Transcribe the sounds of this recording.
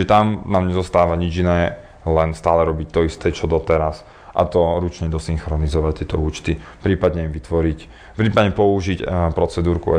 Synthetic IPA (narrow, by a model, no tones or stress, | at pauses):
t͡ʃʒɛt̪amnaːmɲɛzɔst̪aːʋaɲid͡ʒinɛː | lɛnst̪aːlɛɾɔbic̚t̪ɔist̪ɛt͡ʃɔd̪ɔt̪ɛɾas | ʔa̰t̪ɔɾut͡ʃɲɛd̪ɔsiŋxɾɔnizɔʋact̪ːɪɛt̪ɔuːt͡ʃt̪ipɾiːpad̪ɲɛiʋit̪ʋɔɾic | pɾiːpad̪ɲɛpɔuʒicpɾɔt͡sɛd̪uːɾkṵɛ